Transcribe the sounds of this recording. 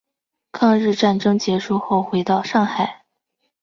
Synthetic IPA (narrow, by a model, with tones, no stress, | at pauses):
kʰɑ˥˧ŋɻɻ̩˥˧ʈ͡ʂa˥˩nʈ͡ʂɤ˥ŋt͡ɕjɛ˧˥ʂu˥˧xo˥˩ʊxwe˧˥ɪt̪ɑ˥˧ʊʂɑ˥˩ŋxa˨˩˦ɪ